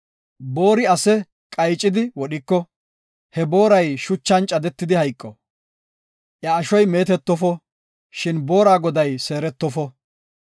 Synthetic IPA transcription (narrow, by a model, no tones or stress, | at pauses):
bo̞ːɾɪɐsɛ | kʼɐjt͡ʃʼːɪd̪ɪwɔɗɪkːɔ | hɛbo̞ːɾɐjʃʊt͡ʃːɐnt͡ʃʼɐd̪ɛt̪ːɪd̪ɪhɐjkʼːɔ | ʔjɐːʃɔjme̞ːt̪ɛt̪ːɔfɔ | ʃɪnbo̞ːɾaːɡɔd̪ɐjse̞ːɾɛt̪ːɔfɔ